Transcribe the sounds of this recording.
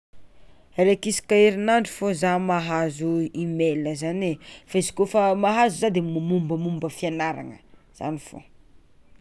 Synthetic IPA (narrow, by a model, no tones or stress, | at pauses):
rekisi̥kaiɾinaɳɖ͡ʐi̥fozamaɦazuimeləzanefaizi̥kofəmaɦazuzad̪emumumbəmumbəfianaɾa̰ŋə | z̥a̰nifo̰